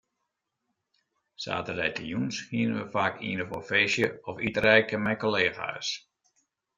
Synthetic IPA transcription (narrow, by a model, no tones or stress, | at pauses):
sa̰ːtərɛjtəjunshiənənʋəfaːkḭːnəfofeːsjəɔfitəɾɛjkəmɛjkoleːɣa̰s